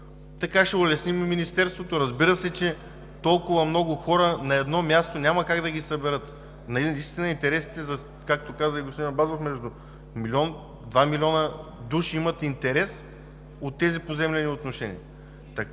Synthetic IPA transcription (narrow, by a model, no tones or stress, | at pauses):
t̪ɐkaʃɛʊlɛsnimminist̪ɛɾst̪vot̪oɾɐzbiɾəsɛt͡ʃɛ | t̪ɔlˠkʊvɐmnɔɡʊxɔɾənɐɛd̪nɔmʲjast̪onʲamɐkaɡd̪ɐɡisɐbɛɾɤt̪ | nɐiist̪inɐint̪ɛɾɛsi̥t̪ɛzɐ | kak̚t̪okazəiɡosinbazofmɛʒd̪ʊ | milʲiɔn | d̪vamilʲiɔnəd̪uʃiimɐt̪int̪ɛɾɛs | ot̪ːɛzipozɛmlɛniot̪noʃɛnʲḭɐ | t̪ɐ